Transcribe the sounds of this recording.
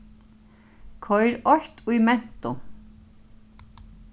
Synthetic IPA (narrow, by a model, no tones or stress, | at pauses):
kʰɔjɾɔçt̪ʊjmɛn̥t̪ʊ